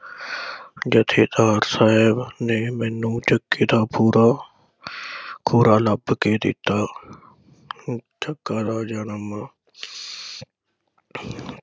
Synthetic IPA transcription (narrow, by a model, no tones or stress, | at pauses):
d͡ʒət̪ʰeːt̪aːɾsaːɦɪbneːmɛ̃ːnːũːt͡ʃəkːeːd̪aːpʰuːɾaː | kʰuːɾaːləbkeːd̪ɪ̰t̪ːaː | d͡ʒʰəkːaːd̪aːd͡ʒanəmːãː